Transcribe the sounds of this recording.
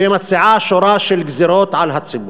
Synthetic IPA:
emat̪siʕaʃoɾˤaːʃelɡziɾoːt̪ʕalɦat͡sːɪbu

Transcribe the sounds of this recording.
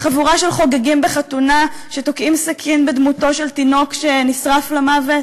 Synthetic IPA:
χavuʁaʃe̞lχo̞ɡaɡimbeχatunaʃetokʔimsakʰinbed̪muto̞ʃe̞ltino̞kʃe̞nisʁaflamavet

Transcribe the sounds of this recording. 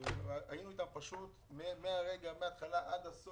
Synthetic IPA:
ajinuitampaʃut̪ | memeaʁe̞ɡameat̪χalaʔad̪as

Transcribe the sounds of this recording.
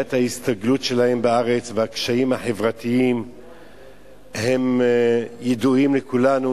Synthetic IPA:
ethahist̪aɡlutʃe̞lahe̞mbaaʁet͡sveakʃaimhaħe̞vʁat̪iim | he̞m | jeduimlekulanu

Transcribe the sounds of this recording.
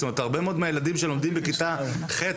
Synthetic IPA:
tomet̪aʁbemeo̞d̪meajelad̪imʃelo̞md̪imbekit̪a | χet

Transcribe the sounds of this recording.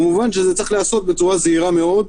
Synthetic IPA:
muvanʃezet͡sɐʁixlaaso̞t̪̚bet͡suʁazehiʁameʔo̞d̪

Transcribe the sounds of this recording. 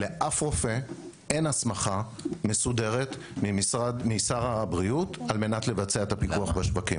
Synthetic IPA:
le̞ʔafʁofe̞ | enasmaχa | me̞sude̞ʁet̪ | misadmijsaʁabʁiutalme̞natle̞vat͡seaet̪apikuaχbeʃvakḭm

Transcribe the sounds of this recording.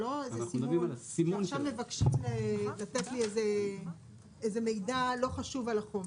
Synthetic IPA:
loezesimnsimonʃamːevakʃimlelatetlieze | ezeme̞jdalo̞χaʃuvalaχome

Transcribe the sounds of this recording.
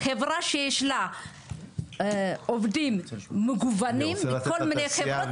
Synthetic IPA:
kevɾaʃeʃla | ovdimməɡuvanimkʰolməneke

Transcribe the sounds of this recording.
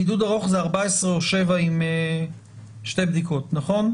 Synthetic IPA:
idudaʁo̞χzeaʁbaesʁeoʃe̞vaime | ʃte̞jbdiko̞tnaχo̞n

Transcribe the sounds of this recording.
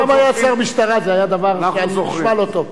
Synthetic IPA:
amajat͡saʁmiʃt̪aʁazeajad̪avaʁanalot̪o

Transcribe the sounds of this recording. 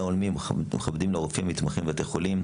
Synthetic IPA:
aolmimmeχabd̪imleoɣfimːit̪maχimvet̪eχolim

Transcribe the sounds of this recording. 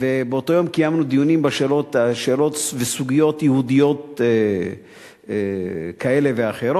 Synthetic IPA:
vebeoto̞jo̞mkijamnud̪ijunimbaʃeːlo̞t̪aʃeːlo̞tvesuɡijo̞t̪jehud̪ijo̞t̪̚ | kae̞le̞veaχeɾo

